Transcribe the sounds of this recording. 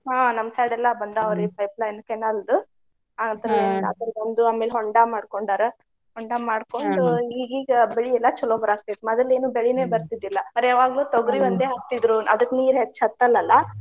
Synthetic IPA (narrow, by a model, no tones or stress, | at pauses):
ɦaːnɐmsaːjɖɛlːɐbɐnd̪ɐʋɾipɐjplaːjinɐkɛnːald̪u | aːɐt̪ɾɐenna̰ːt̪ɐlbɐnd̪uaːmelɦɔɳɖaːmaːɽkoɳɖaːɾɐ | ɦɔɳɖaːmaːɽko̞ɳɖuiːɡiːɡɐbeɭiɛlːɐt͡ʃɔloːbɾaːsʈeʈmɐd̪ɐleːnuːbeɭine̞ːbɐɾt̪id̪ilːɐmɐɾaʋaːɡɐluːt̪oɡɾiʋɐnd̪eːɦɐkt̪id̪ɾuʔɐ̰d̪ɐkːniːɾɦet͡ʃːɐt̪ːɐlːɐlːɐ